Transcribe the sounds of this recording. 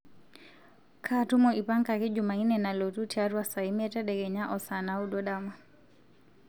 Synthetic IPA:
kʰatu˦mɔʔi˨pa˦ŋkaki˦d͡ʒuma˨i˦nɛna˨lɔ˨tu˦tiaɾwasa˨imɛ˦ta˦ɗɛ˨ɡɛ˨ɲa˦ʔɔsana˦u˦ɗɔɗama

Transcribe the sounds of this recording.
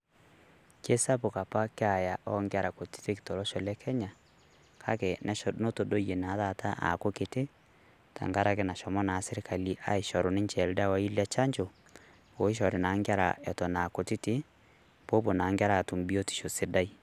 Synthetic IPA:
ke˦sa˦po˨ka˨pa˦ke˦a˨ja˨ʔɔ˦ŋɡa˦ɾa˨ko˨ti̥˦te˦ki̥˨tɔ˨lɔ˦ʃɔ˨lɛ˦kʰɛ˦ɲa˨ | kʰa̰˦kɛ˨nɛ˦no˦to˨do˦je˨na˨˦ða˦˨tʰa˦ʔa̰˨ko˦ke˨te˦ | ta̰˨ŋɡa˦ɾa˦ke˦na˨ʃɔ˨mɔ˦na˨se˦ɾe˦ka˨li˦ʔa̰˦i˨ʃɔ˨ɾo˨nɪ˦ɲt͡ʃɛ˨lda˦wa˦i˦lja˦t͡ʃa˦ɲd͡ʒo˨ | o˨i˦ʃ̬ɔ˨ɾi˨na˨˦ŋɡa˦ɾa̰˨ɛ˨tɔ˨na˨ko˨ti˦ti˦ | b̥o˦bo˨na˨˦ŋɡa˦ɾa˦˨tu˨mbi˦o˦ti̥˨ʃo˨se˦da˦i˦

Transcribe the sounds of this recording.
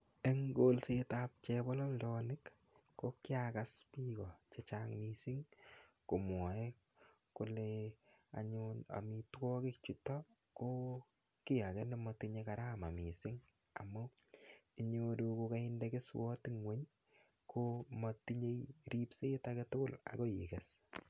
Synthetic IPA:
e˦ŋɡolsetap̚t͡ʃebɔ˦lɔ˦ldɔnɪkː | okjakaspi˦kɔ˨t͡ʃe˨t͡ʃaŋmisɪ˦ŋku˨mwɔ˨e˦ | ku˨lea̰˨ɲuna̰˨mi˨twɔ˦kɪ˦k̚t͡ʃu˨tɔ | ko˦ | ki˦ja˨kɛ˦nde˦mɔtiɲekaɾa˦ma˨mi˨sɪ˦ŋ | a̰˨mu˦ | i˨ɲodu˧ku˧ka˦indekɪ˦swɔ˦tɪ˦ŋwe˦ɲ | kʰoma˨ti˦ɲe˦jɾi˦pse˦taketʊ˦kʊ˦˨la̰˨ko˦ji˨kɛs

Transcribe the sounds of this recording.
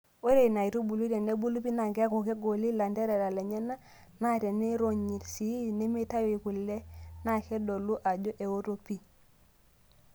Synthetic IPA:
o˦ɾe˨i˨na˨i˨ɾo˦bu˨lu˦ɾe˨ne˦bu˦lu˦pi˦na˨ŋɡe˦a˦ko˨ke˦ɡo˨li˦la˨nde˦ɾe˨ɾa˨le˨ɲe˦na˦ | na˦˨ɾe˨ne˦ɾo˨ɲi˨tsi˨˦ne˦me˦ta˦wi˨ku˨le˦na˦˨ke˦do˨lu˦ʔa˨d͡ʒo˦ʔe˨o˦ɾo˦pi˦

